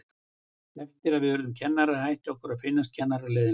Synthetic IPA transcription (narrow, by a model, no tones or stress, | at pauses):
ɛft̪ɪɾaðvɪðvɛːɾʏðʏmcʰɛnːaɾahajht̪ɔhkʏɾaðfɪnːast̪̚cʰɛnːaɾalɛːðɪ